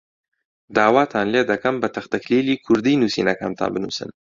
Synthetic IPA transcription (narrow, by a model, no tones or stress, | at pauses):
d̪ɑːwɑːt̪ʰɑːnled̪akɐmbət̪ɐxt̪aklilikʰʊɾd̪inusḭnaka̰mt̪ʰa̰ːbənṵsə̰n